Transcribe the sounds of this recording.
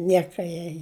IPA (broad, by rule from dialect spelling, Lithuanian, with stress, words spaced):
ˈnʲiɛkɐ jɛɪ